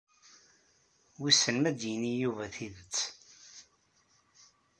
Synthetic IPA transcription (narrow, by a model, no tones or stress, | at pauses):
wisəlmæd̪jənijuvæθiðət͡sː